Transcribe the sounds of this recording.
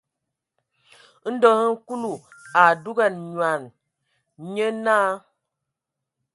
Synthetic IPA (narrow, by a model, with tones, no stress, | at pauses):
n̩˦dɔ˦ŋ˦ŋ̩˦ku˦lu˨a˨du˦ɡa˨nɲwa˨n | ɲə˦naː˦